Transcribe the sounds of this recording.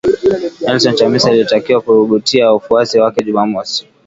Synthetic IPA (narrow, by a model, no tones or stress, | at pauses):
nɛlsɔntamisaːlitakiwakuɓutiaufuasiwakɛʄumamɔsi̥